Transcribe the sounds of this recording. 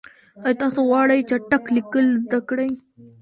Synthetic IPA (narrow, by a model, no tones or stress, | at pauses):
ajt̪ɑsowɑɽajt͡ʃaʈaklikəlzd̪akɽaj